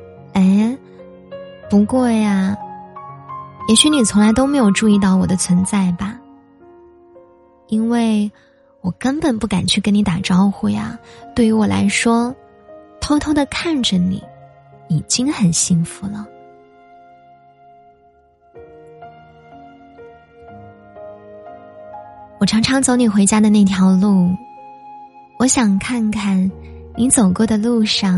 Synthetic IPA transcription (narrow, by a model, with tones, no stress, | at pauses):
e˥˩ɪ | pu˧˥kwɔ˥˩ja˩ | jɛ˧˥ɕy˧˥ni˨˩t͡sʰʊ˧˥ŋla˧˥ɪt̪o˥ʊme˧˥ɪjo˨˩ʊʈ͡ʂu˥˧i˥˧t̪ɑ˥˩ʊwɔ˨˩d̪ə˦t͡sʰwə˧˥nt͡sa˥˩ɪbɐ˩ | i˥nwe˥˩ɪ | wɔ˨˩kə˥npə˨˩npu˥˩ka˨˩nt͡ɕʰy˥˩kə˥ni˧˥t̪a˨˩ʈ͡ʂɑ˥ʊxu˥˩ɪja̰˨˩t̪we˥˩ɪy˧˥wɔ˨˩la̰˧˥ɪʂwɔ˥ | t̪ʰo˥ʊt̪ʰo˥ʊd̪ə˨kʰa˥˩nʈ͡ʂə˩nḭ˨˩˦ | i˨˩t͡ɕi˥ŋxə˨˩nɕi˥˧ŋfu˧˥lə˨ | wɔ˨˩ʈ͡ʂʰɑ˧˥ŋʈ͡ʂʰɑ˧˥ŋt͡so˧˥ʊni˨˩xwe˧˥ɪt͡ɕja˥d̪ə˨na˥˩ɪt̪ʰjɑ˧˥ʊlu˥˩ | wɔ˧˥ɕjɑ˨˩ŋkʰa˥˧nkʰa˥˩nni˧˥t͡so˨˩ʊkwɔ˥˩d̪ə˨˩lu˥˧ʂɑ˥˩